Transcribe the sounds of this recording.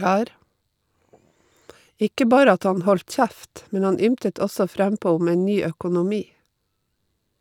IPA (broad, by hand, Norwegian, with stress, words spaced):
ˈɪkə ˈbɑːɾə ˈɑt ˈɑn ˈhɔlt ˈçæft ˈmɛn ˈhɑn ˈʏmtət ˈɔsɔ ˈfɾæmˌpoː ˈʊm ˈeːn ˈnyː œkʊnʊˈmiː